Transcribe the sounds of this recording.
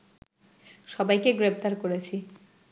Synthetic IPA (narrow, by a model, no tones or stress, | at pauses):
ʃɔbajkeɡɾept̪aɾkoɾet͡ɕʰi